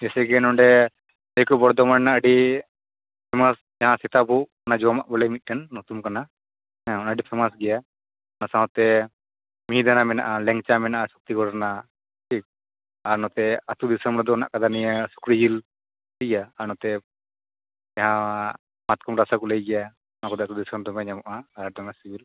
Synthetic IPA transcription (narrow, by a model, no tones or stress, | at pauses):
d͡ʒɛsɛkɛnɔɳɖɛ | ɛjkɔbɔɽd̪ɔmannaʔəɖi | pʰɛmas | d͡ʒaɦãsɛt̪abʱuʔanad͡ʒɔma̰ʔbɔlɛmit̪̚ʈɛnːɔt̪umkana | ɛ̃ɔnaɖipʰɛmas̬ɡɛja | nasãɦɔ̃t̪ɛ | miɦĩd̪anamɛna̰ʔalɛŋt͡ʃamɛnaʔasu̥k̚t̪ikɔɽɾna | ʈʰik̚ | aɾnɔt̪ɛat̪ud̪isəmɾɔd̪ɔna̰ʔkad̪anijasu̥kɾid͡ʒil | ləaːɾnɔt̪ɛ | jaɦã | mat̪̚kʰɔmɾasakɔləjɡɛja | nakɔd̪ɛat̪ud̪isəmd̪ɔmɛɲamɔʔaːɾdɔmasibil